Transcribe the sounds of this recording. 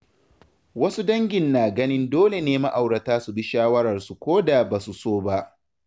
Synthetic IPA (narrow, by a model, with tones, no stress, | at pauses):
wɐ˦su˦dɐ˦ŋɡʲɪ˨nːaː˨ɡɐ˦nɪ˦ndoː˦le˨neː˦ma˦ʔa˨wɽɐ˨taː˦su˨bi˦ʃaː˦wɐ˦ɾɐ˨rsu˨kʷoː˦da˨baː˨su˨soː˦ba˦ʔ